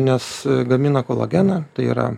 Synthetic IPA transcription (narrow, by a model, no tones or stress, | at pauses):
nʲɛsɡɐmʲɪnɐkoːlˠɐ̰ɡʲænɐt̪ɐɪḭɾɐ̰